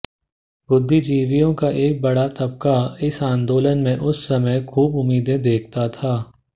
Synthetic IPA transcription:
bʊd̪ʱːid͡ʒiːʋijõkaʔeːk̚bɐɽat̪ɐb̚kaɪsãːnd̪oːlənmẽʔʊsːɐməjkʰuːbʊmːiːd̪ẽd̪eːk̚ʰt̪at̪ʰaː

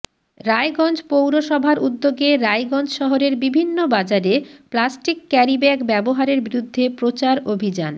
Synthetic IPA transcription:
ɾaeɡɔnd͡ʑpowɾoʃɔbʱaɾʔud̪ːoɡeɾajɡɔnd͡ʑʃɔɦoɾeɾbibʱinːobad͡ʑaɾeplasʈikːɛɾibɛɡbɛboɦaɾeɾbiɾud̪ʱːepɾot͡ɕaɾobʱid͡ʑan

